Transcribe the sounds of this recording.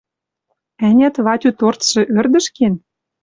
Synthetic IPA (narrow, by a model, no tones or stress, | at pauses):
ænʲæt̪βɑt̪ʲyt̪ort̪ʃɤ̆ʔø̆rd̪ə̆ʃken